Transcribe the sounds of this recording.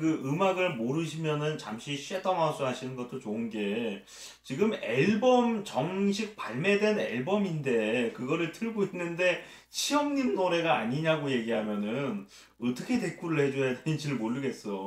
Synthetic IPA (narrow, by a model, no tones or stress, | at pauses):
kɯɯmaɡɯɭmoɾɯɕ̬ʰimjʌnɯnt͡ɕamɕʰiɕʰiet͈ʌŋɦas͈ʰuɦaɕʰinɯnɡʌt͈̚ot͡ɕoɯnɡe̞ | t͡ɕiɡɯmeɭbʌmt͡ɕʌŋɕʰik̚paɭme̞dwe̞neɭbʌminde̞kɯɡʌɾɯɭtʰɯɭɡoinːɯnde̞ | t͡ɕʰiʌmɲimnoɾe̞ɡaːɲiɲaɡoje̞ɡiɦamjʌnɯn | ʌt͈ʌkʰe̞te̞k͈uɾɯɭhe̞d͡ʑojadenɯnd͡ʑiɾɯɭmoɭːɯɡe̞s͈ʌ